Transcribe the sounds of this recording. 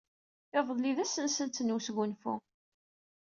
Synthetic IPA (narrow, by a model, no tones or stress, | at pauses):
ɪvðˤliðæsənsənt̪nwsɣʷʊnfʊ̰